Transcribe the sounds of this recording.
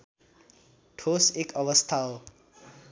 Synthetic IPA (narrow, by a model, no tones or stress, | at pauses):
ʈʰosekʌʋʌst̪ʰaw